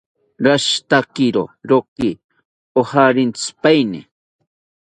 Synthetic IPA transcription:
ɾaʃt̪akɪɾo̰ɾokɪ | ohaɾɪnt͡spajnɪ̰

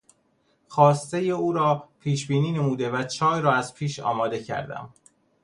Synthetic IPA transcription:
xɒːst̪e̞jeuːɾɒːpʰiːʃbiːniːne̞muːd̪e̞væt͡ʃʰɒːjɾɒːæz̥pʰiːʃɒ̰ːmɒːd̪e̞cʰæ̰ɾd̪æ̰m

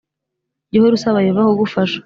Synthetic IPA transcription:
ɟihoɾusaβajovahoɡufaʃḁ

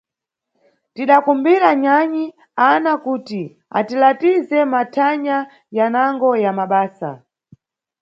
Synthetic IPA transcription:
tiɗakumbiɾaɲaɲi | anakuːti | a̰tilatizɛmatʰaɲa | janaŋɡɔjamaɓaːsa̰

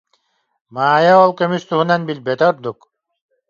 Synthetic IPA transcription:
maːjaolˠkømyst̪uɦunanbilbet̪oɾd̪uk

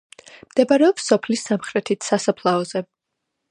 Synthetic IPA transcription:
md̪̥ɛbaɾɛɔpsːɔpʰlisːamχɾɛt̪ʰit̪ʰsasapʰlˠaɔz̥ɛ

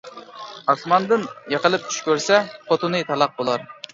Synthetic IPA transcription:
ɑsmɑnd̪ɨnjəqəlˠɨp̚t͡ʃʰy̥ʃkʲøɾsɛqʰot̪ʰunɨt̪ʰɑlˠɑq̚bolˠɑɾ

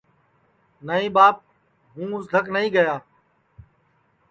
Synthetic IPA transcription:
nəɦĩːbaːp̚ | ɦũːʊsd̪ʱəknəɦĩːɡəjaː

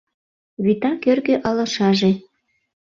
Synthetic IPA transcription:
βit̪ɑkørɣøʔɑlɑ̆ʃɑʒe

